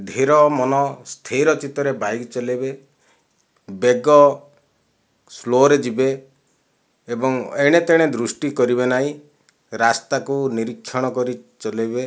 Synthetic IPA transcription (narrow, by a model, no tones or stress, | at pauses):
d̪ʱeɾɔmɔnɔst̪ʰejɾɔt͡ʃit̪ɔɾebajkt͡ʃɔlebe | beɡɔ | sloɾed͡ʒibe | bɔŋeɽ̃et̪eɽ̃ed̪ɾusʈikɔɾibenaĩ | ɾast̪akuniɾikʰːjɔɽ̃ɔkɔɾit͡ʃɔlebe